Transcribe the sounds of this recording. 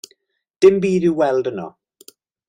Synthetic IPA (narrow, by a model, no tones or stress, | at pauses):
d̥ɪmbiːdɨwɛlˠdənɔ̰